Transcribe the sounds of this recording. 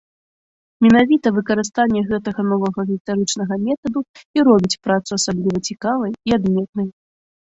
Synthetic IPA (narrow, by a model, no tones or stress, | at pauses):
mʲɛnavʲit̪ɐvɨkɐɾɨst̪anʲːɛɣɛt̪ɐɣɐnɔvɐɣɐɣʲist̪aɾɨt͡ʂnɐɣɐmʲɛt̪ɐd̪uiɾɔbʲit͡sʲpɾat̪suasablʲivɐt͡sʲikavɐjiad̪mʲɛt̪̚nɐj